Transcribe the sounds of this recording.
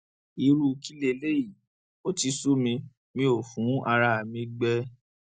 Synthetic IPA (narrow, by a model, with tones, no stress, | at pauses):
i˨˧ɾu˧ki˦le˧˨˦le˦ji˦˨ | o˦ti˧su˦mĩ˧ | mĩ˧o˨fũ˨˦ʔa˧ɾa˧˨a˨mĩ˧ɡ͡bɛ˦˧